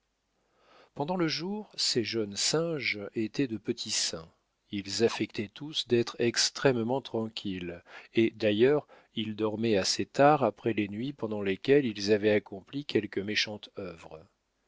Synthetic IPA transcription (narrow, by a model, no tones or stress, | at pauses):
pɑ̃d̪ɑ̃ləʒuʁseʒœnsɛ̃ʒet̪ɛd̪əpət̪ʰisɛ̃ | ilzafɛkt̪ɛt̪usd̪ɛt̪χɛkst̪χɛmmɑ̃t̪χɑ̃kʲʰiled̪ajœʁ | ild̪ɔʁmɛaset̪aʁapχɛlenɥipɑ̃d̪ɑ̃lekʲɛlilzavɛakɔ̃plikʲɛlkəmeʃɑ̃t̪œvʁə